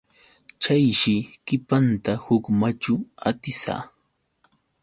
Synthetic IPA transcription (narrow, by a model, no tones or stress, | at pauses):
t͡ʃajʃɪkɪpant̪ahʊkmat͡ʃʊat̪ɪsa̰ː